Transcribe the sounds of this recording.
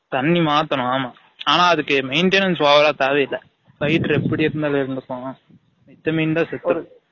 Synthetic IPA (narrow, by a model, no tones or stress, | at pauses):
t̪ɐɳːimaːt̪ːɐnʊ̃aːmaː | aːnaːɐðɯkːɯmɐɪɳʈeːnɐnsʋaːʋɐlaːt̪aːʋɛɪlːɐ | bɐjʈɾɛpːɐɽiɪɾɯnd̪aːlɪɾɯnd̪ɯkːõːãː | ɪt̪ːɐmɐɪnd̪aːsɛt̪ːɯ